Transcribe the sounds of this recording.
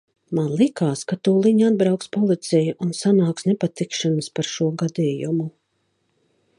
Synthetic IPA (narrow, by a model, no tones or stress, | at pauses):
manlˠikaːskat̪uːlˠiɲad̪̚bɾawkspɔlˠit̪sɛjuʔunsanaːksnɛpat̪ikʃanəspaɾʃuɔɡad̪iːjumu